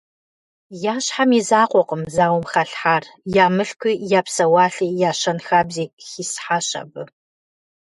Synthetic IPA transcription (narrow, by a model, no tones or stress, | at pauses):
jaːɕħamizaːqʷɔqəmzaːwmxɐɬħaːrjaːmɨɬkʷʰijaːpsɐwɑːɬiːjaːɕɐnxaːbziːxisħaːɕɐ̰bɨ